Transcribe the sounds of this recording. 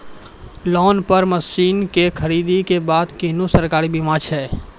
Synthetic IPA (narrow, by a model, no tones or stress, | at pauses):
lɔːnpɐɾməsiːnkexʰɐɾiːd̪ikebaːd̪kinusəɾkaːɾibɪmãːt͡ʃɦɛː